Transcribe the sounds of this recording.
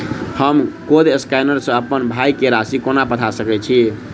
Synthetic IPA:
həmkod̪eskajnəɾsə̃əpənbʱajkeɾasikonapət̪ʰasəkɛt͡ʃʰi

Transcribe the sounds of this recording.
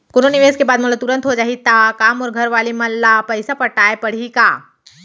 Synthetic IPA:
kʊnonɪʋeːskebaːd̪mɐt̪ləb̚t̪ʊɾə̃nt̪ɦod͡ʒaːɦit̪akaːmɔːɾɡʱɐɾʋaːlimɐlːapɛɪsapɐʈaːepɐɽ̤ikaː

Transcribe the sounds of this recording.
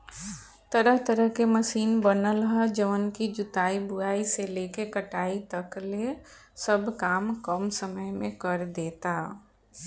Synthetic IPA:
t̪əɾəɦt̪əɾəɦkeməsiːnbənəlɦəd͡ʒəʋənkid͡ʒʊt̪aːibʊaːiseleːkekəʈaːit̪əkle | səbʱkaːmkəmsəməjmẽkəɾd̪eːt̪a

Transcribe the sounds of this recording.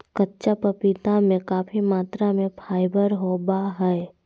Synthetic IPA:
kətːʃapəpɪt̪amẽkaːpʰimaːt̪ɾamẽpʰaːɪbəɾɦobaɦɛɛ

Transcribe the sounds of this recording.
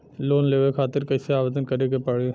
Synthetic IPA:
loːnleːʋekʰaːt̪ɪɾkɐɪseaːʋeːd̪ənkɐɾeɡepaɽe

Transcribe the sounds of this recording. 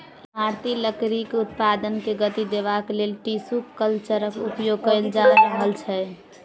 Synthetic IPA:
maɾt̪iləkɾikut̪pad̪ənkeɡət̪id̪ebakelelʈisukːəlt͡ʃəɾəkupjoɡ̚kəld͡ʒaɾəɦəlt͡ʃʰɛ

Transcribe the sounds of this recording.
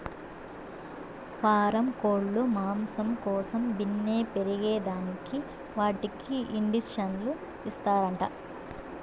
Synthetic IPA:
paːɾɐmkoːɭːumaːmsɐmkɔːsɐmbinːe̞ːpeɾiɡeːd̪aːniki | ʋaːʈikʰiiɳɖisʂɐnlu | ist̪aːɾɐɳʈɐ

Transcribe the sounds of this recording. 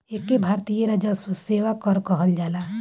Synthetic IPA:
ekːebʱaːɾt̪ijəɾad͡ʒasuseːʋakɔɾkɔɦəld͡ʒaːla

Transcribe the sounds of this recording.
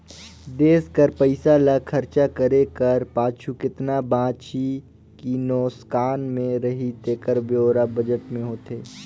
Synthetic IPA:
d̪eːskəɾpəɪsalakʰɐɾt͡ʃakəɾekəɾpaːt͡ʃʰukɪt̪nabãːt͡ʃi | kinɔːskaːnmẽɾɐɦit̪eːkəɾbjoːɾabɐd͡ʒəʈmẽɦoːt̪eː

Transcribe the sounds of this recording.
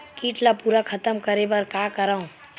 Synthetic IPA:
kiːʈlapuːɾakʰət̪əmkəɾebəɾkakəɾaõ

